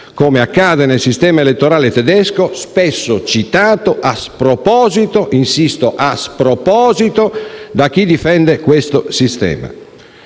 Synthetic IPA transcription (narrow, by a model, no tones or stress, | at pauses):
koːmeakːaːd̪enelsist̪ɛːmaelet̪ːoɾaːlet̪ɛd̪ɛskospɛsːot͡ʃit̪aːt̪oʔaspɾopɔːzit̪oʔinsist̪oʔaspɾopɔːzit̪od̪ak̟ːid̪ifɛnd̪ekwest̪osist̪ɛ̰ːma̰